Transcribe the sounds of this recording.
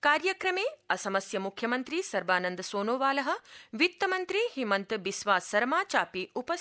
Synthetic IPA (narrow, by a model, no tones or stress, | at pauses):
kaːɾjɐkɾɐmeːɐsɐmɐsjɐmukʰjɐmɐnt̪ɾisɐɾbaːnɐnd̪ɐsoːnoːʋaːlɐɦɐ̆ʋit̪ːɐmɐnt̪ɾihimɐnt̪bisʋaːsɐɾmaːt͡ʃaːpiupɐ